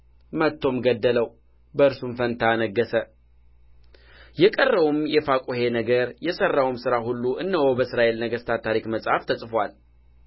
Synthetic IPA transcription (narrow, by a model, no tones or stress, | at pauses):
mət̪ʰːo̞mɡəd̪ːələw | bəɨɾsumfənt̪ʰanəɡːəsə | jɛkʼərːəβumjɛfakʼuhe̞nəɡəɾjɛsərːawumsɨɾaɦulːuʔɨnːəho̞bəɨsɾaʔe̞lnəɡəst̪ʰat̪ʰːaɾikməsʼhaft̪ʰəsʼfwal